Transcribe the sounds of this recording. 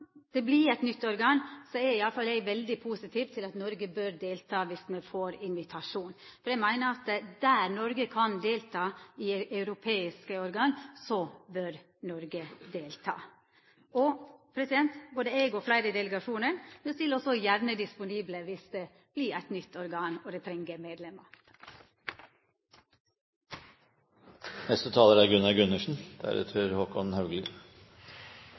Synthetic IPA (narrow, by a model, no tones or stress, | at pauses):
d̪̥ɛblɪɾɛɪt̪nʏt̪ːɔɾɡɑːŋsɔɛɾɪɑlːəfɑlɛɪɡʋɛld̪ɪpʰuːsɪt̪ʰiːʋt̪ʰɪlɑt̪nɔɾɡəbøːɾd̪eːlt̪ʰɑːʋɪsmɛfoːɾɪnʋɪt̪ʰɑʂuːnfɔɾɛɡmæɪnəɾɑt̪d̪æːɾnɔɾɡəkʰɑnd̪eːlt̪ʰɑːɪɑʉɾʊpʰeːɪskəɔɾɡɑːnsɔbøɾ | nɔɾɡəd̪eːlt̪ʰɑ̰ː | ʔɔpʰɾɛsɪd̪ɛnt̪boːd̪əeːɡɔflæɪɾəd̪ɛləɡɑʂuːnəɳmɛnsɪlɔsɔjæɾnəd̪ɪspʊniːbləʋɪsd̪e | b̥liːæɪt̪nʏt̪ʰːɔɾɡɑːnɔd̪ɛt̪ʰɾɛŋɡəmeːd̪lɛmɑ | nɛst̪ət̪ʰɑːləɾæɾɡʉnɑɡʉnəʂn̩d̪̥æ̰ɾə̰t̪ʰøːɾhoːkɔnn̩hɑʉɡlɪ